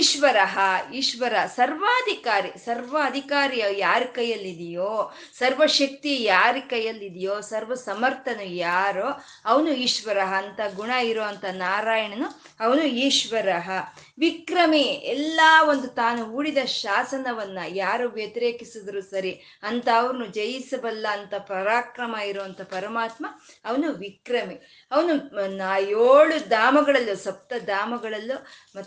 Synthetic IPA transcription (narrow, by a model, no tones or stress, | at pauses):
iʃʋɐɾɐɦɐiːʃʋɐɾɐɦɐsɐɾʋaːd̪ʱikaːɾisɐɾʋɐɐd̪ʱikaːɾijɐjaːɾikɐjɐlːid̪ijoː | sɐɾʋɐʃɐk̚t̪ijaːɾikɐjɐlːid̪ijoːsɐɾʋɐsɐmɐɾt̪ʰɐnujaːɾoː | ɐʋɐnuiːʃʋɐɾɐɦɐːnt̪ɐɡuɳɐiɾoːɐnt̪ʰɐnaːɾaːjɐɳɐnu | ɐʋɐnuiːʃʋɐɾɐɦɐ | ʋikɾɐmiɛlːaːʋo̞nd̪ut̪aːnuɦuːɽid̪ɐʃaːsɐnɐʋɐnːɐjaːɾuʋjɐt̪ɐɾeːkisid̪ɐɾusɐɾi | ɐnt̪ɐːʋɐɾɐnud͡ʒɐjisɐbɐlːɐːnt̪ɐpɐɾaːkɾɐmɐiɾoːɐnt̪ʰɐpɐɾɐmaːt̪mɐː | ʋɐnuʋikɾɐmi | ɐʋɐnunaːjoːɭud̪aːmɐɡɐɭɐlːusɐp̚t̪ɐd̪aːmɐɡɐɭɐlːumɐ